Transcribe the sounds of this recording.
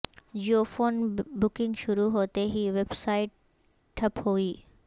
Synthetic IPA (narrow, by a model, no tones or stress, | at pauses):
d͡ʒiofoːnbʊkɪ̃ŋɡʃʊɾuɦoːt̪eɦiʋebsaːɪʈ̚ | ʈʰɐphoiː